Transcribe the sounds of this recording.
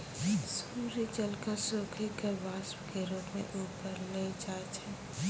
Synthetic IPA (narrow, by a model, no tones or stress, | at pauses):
suːɾit͡ʃəlkəsoːkʰikəɾʋaːspkeɾuːpmḛ̃ʔuːpəɾleːd͡ʒaːt͡ʃʰɛ